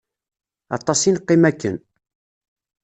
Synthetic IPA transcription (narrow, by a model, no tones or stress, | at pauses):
ɑ̰t̪ˤːɑsinqːɪmækːən